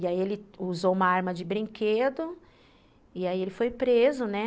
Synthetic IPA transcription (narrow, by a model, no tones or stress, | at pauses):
iaielɪuzowumɐaɾmɐd͡ʒɪbɾĩŋked̪ʊ | iaielɪfojpɾezʊnɛ